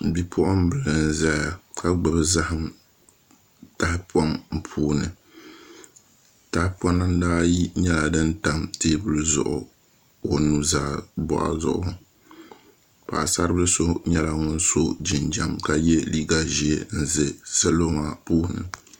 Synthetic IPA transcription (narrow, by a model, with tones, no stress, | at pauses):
bi˦pʰʊ˦ʔʊ˦m˦bɨ˨lɨ˨n̩˨za˦a˨ka˦ɡ͡bɨ˨bɨ˦za˦hɨ˦m | ta˦hɪ˦pɔ˦nm̩˨pʰuː˦˨nɨ̰˨ | ta˨hɪ˦pɔ˦nːa˦n˦daː˦ji˦ɲɛ˦la˨dɨ˦nta˦mteː˦bʊ˦lɨ˦zʊ̰˨ʔʊ̰˨ | o˨nu˦zaː˦bɔ̰˨ʔa̰˨zʊ̰˨ʔʊ̰˦ʊ˨ | pa̰˨sa˦ɾɨ˦bɨ˦ɨ˦so˦ɲɛ˦la˨ŋʊ˦n˦so˦d͡ʒi˨nd͡ʒa˨mka˨jɛ˦li˦ɡa˨ʒi˨e˦n̩˦˨zɨ˨sɛ˦lo˦ma˦puː˦hnɨ̰˨